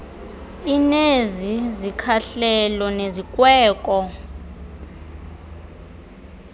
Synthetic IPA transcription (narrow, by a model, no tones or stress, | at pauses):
inezizikʰaɬɛlɔnezikʼwɛːkʼɔ